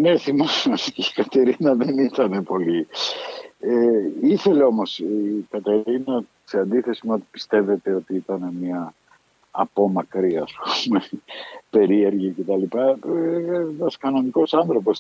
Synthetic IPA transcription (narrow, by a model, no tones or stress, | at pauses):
ne̞θimossikɐt̪e̞ɾinɐðe̞nit̪ɐne̞po̞li | eiθe̞leo̞mo̞sikɐt̪e̞ɾinɐ | seɐnd̪iθe̞simuo̞t̪i̥pi̥st̪e̞ve̞t̪e̞o̞t̪iit̪ɐne̞miɐː | po̞mɐkɾiɐspumepe̞ɾieɾʝice̞t̪ɐlipɐ | enɐskɐno̞niko̞sɐnθɾo̞po̞s